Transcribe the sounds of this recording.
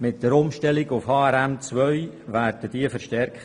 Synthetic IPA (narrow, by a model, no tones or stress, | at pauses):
mɪt̚d̥əɾʊmʃtɛlɪɡʊfhɑːɛɾæmt͡sʋœʏvæːrdəd̥iəfəɾʃtɛrkχt